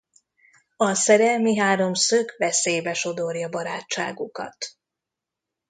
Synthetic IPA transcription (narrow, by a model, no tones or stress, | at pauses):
ɒsɛɾɛmiɦaːɾo̞msøkʋɛsejbɛʃo̞d̪o̞rjɒbɒɾaːt͡ʃːa̰ːɡukɒ̰t̪